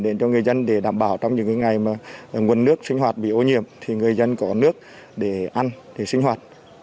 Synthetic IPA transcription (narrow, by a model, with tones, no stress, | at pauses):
ɗe˨˦nt͡ɕɔ˧ŋɨ˨˩əjzə˧nɗe˧˩ɗaː˧˩mɓaː˧˩wt͡ɕɔ˧wŋ͡mɲɨ̰˧˥ŋkːŋa˨˩jmaː˨˩˨ŋwnːɨ˦˥ək̚sï˧ŋ̟hwaː˨˩t̚ɓḭ˧˨ʔo˧ɲḭ˧˨əmt̪ʰi˨˩ŋɨ˨˩əjzə˧nkɔ˨˦nɨ˦˥ək̚ | ɗe˧˩ʔa˧nɗe˧˩sï˧ŋ̟hɦwaː˨˩t̚